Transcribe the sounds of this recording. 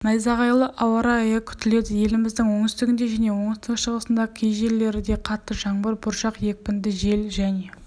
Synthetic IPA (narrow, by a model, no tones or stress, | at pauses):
nɑjzɑʁɑjlˠəʔɑwɑɾɑɑjɑkʲʰʏ̥t̪ɪle̞d̪ɪje̞lɪmɪzd̪ɪŋwo̞ŋɪst̪ɪɡʲɪnd̪e̞ʒæne̞wo̞ŋɪst̪ɪqʃəʁəsənd̪ɑkʲʰejʒe̞ɾlːe̞ɾɪd̪e̞qʰɑt̪ːəʒɑɴbəɾbʊɾʃɑqje̞k̚ʲpɪnd̪ɪʒe̞lʒæne̞